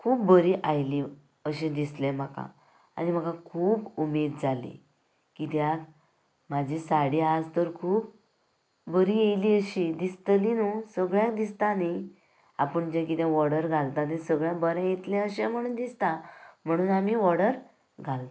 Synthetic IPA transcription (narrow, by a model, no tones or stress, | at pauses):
kʰuːp̚bəɾiʔajli | əɕɛ̃d̪islẽm̤aka̰ | a̰nim̤əkãkʰuːpumed̪d͡zalḭ | kit̪jãk | mad͡ʑʱisaɽiad͡zt̪əɾkʰuːp̚ː | əɾijejliəɕid̪ist̪linusəɡɭjãkd̪ist̪ane | a̰pəɳd͡ʑɛ̃k̬it̪jãʋɔɽəɾɡʱalt̪anẽsəɡɭjãbəɾɛ̃jet̪lɛ̃əɕɛ̃m̤əɽ̃uːnd̪ist̪am̤əɽ̃uːnamiʋɔɽəɾ | ɡʱalt̪a